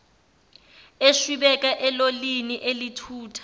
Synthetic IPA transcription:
eʃwiɓɛkʼaʔɛloliniʔelitʰuːtʰḁ

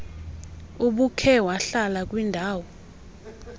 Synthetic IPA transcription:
uɓukʰɛwaɬalak̬ʼwindʱaːwɔ

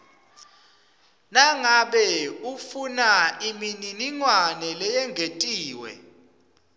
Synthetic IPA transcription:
naŋaɓɛufunaimininiŋwanɛlɛjɛŋʱetʼiːwɛ̰

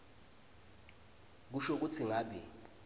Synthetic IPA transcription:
k̬uʃok̬ut͡sʰiŋaːɓi

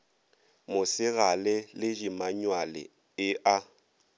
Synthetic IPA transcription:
mʊsɪɣalɪlɪd͡ʒimaɲwalɪ̰ | ɪʔa

